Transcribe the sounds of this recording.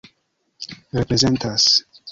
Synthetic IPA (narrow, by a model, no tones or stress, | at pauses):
ɾepɾe̞ze̞ntas